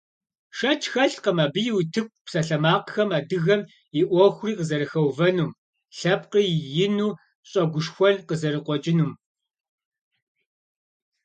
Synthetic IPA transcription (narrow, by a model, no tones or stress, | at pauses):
ʂɐt͡ʃʰʼxɐɬqəmaːbɨjɪwtʰɨk̚ʷʼpsɐɬɐmaːqxɐmaːdɨɣɐm | ɪʔʷɔxʷʊriːqəzɐɾɨxɐwvɐnuːm | ɬɐpqiːjɪnuː | ɕʼɐɡʷʊʂxʷɔɮqəzɐɾɨqʷɔt͡ʃʼɪnuːm